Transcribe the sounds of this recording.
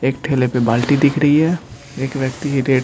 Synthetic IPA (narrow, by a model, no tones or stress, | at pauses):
eːk̚ʈʰeːlepebaːlʈid̪ɪkʰɾəɦiɦɛː | eːkʋjək̚t̪iɦid̪eː